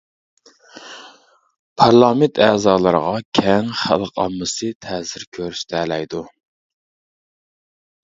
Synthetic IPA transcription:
pʰɑɾlˠɑment̪ʰæːzɑːlˠəɾəʁɑkʲʰɛŋχæ̰lˠqʰɑ̰mːɨsɨt̪ʰɛːzɪɾkʲʰøɾyst̪ʰɛːlɛjd̪u

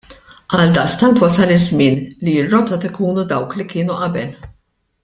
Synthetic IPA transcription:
ʔɐld̪ɐʔst̪ɐnt̪wɐsɐlɪzmɪːnliɪrːɔt̪ɔt̪ɪkuːnud̪ɐwklikɪːnuʔɐbɛl

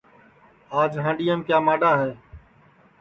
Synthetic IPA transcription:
aːd͡ʒɦãːɳɖijãːmkjaːmaːɖaːɦeː

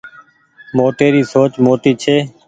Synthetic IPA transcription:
moːʈ̪eːɾiːsoːt͡ʃmoːʈ̪iːt͡ʃʰeː

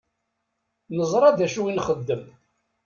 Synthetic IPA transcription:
nəzˤɾˤɑðæʃuwinχəd̪ːəm

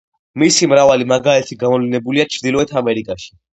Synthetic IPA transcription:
misimɾavalimaɡaɛt̪ʰiɡamɔvlinɛbuliat͡ʃʰɾd̪ilɔɛt̪ʰamɛɾikʼaʃi̥

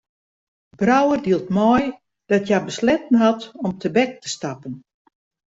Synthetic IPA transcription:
brawərdiəlˠtmɔj | d̥ɔtʰjabəslɛtən̩ɦatɔmtʰəbɛk̚təstapən

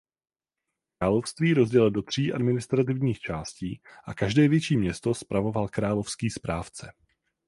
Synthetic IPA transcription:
kɾaːlo̞fst̪viːɾo̞zɟɛlɪldo̞t̪r̝̥iːʔa̰dmɪnɪst̪ɾat̪ɪvɲiːxt͡ʃaːsciːʔakaʒdɛːvjɛt͡ʃiːmɲɛst̪o̞spɾavo̞valkɾaːlo̞fskiːspɾaːft͡sɛ

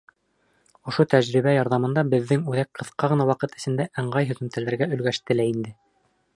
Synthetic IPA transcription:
ŏʃot̪æʑɾiβæjɑɾðɑmɤ̆nd̪ɑbɘ̆ðːɘŋʉðæk̚qʰɤ̆θqɑʁɤ̆nɑwɑqɤt̪ɘ̆sɘ̆nd̪æʔæɴɢɑjɦɵ̆ðɘ̆mt̪ælæɾɡæɵ̆lɡæʃt̪ɘlæind̪ɘ

